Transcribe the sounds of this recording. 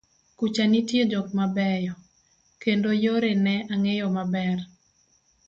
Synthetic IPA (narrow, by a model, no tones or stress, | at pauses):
kut͡ʃanitjed͡ʒɔkmabɛjɔ | kendojoɾenɛʔaŋejɔmabɛr